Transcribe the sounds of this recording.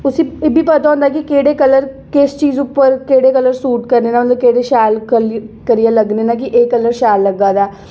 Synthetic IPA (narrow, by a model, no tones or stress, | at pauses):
ʊsĩːebʱiːpət̪aːʊ̃nd̪aːkɪkeːɽeːkələɾ | kɪst͡ʃiːzʊpːəɾkeːɽeːkələɾsuːʈkəɾneːnaːmnd̪okeːɽeːʃaːlkəkəɾijaːləɡneːnãːk̬ɪʔeːkələɾʃaːlːəɡaːd̪aː